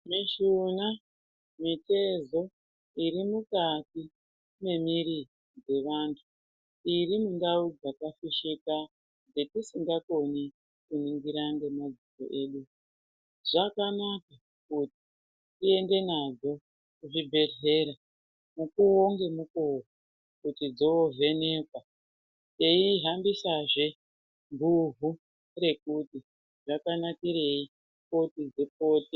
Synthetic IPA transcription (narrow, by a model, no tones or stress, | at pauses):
miʃuna | mite̞zo̞ | iɾimukati | me̞miɾi | d͡ze̞ʋantʰu | iɾimundaud͡zakafiʃika | d͡ze̞kusiŋɡako̞ni | kuniŋɡiɾaŋɡe̞mad͡ziko̰ʔe̞ːɗu | ʐ̥akanaka | kuti̥ | tie̞nde̞nad͡zo̞ | kuʐibʱe̞ɮe̞ɾa | mukuoŋɡe̞mukoko | kutid͡zoove̞ne̞kwa | te̞iɦambisaʐe̞ | mbuvʱu | re̞kuti | ʐakanakiɾe̞i | po̞tid͡ze̞p̚o̞ːti